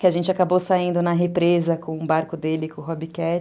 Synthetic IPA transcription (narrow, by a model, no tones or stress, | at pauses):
kɪaʒẽnt͡ʃɪakabosaĩnd̪ʊnɐɦepɾezɐkõũbaɾkʊd̪elɪkʊ̃ɦɔbikɛt͡ʃ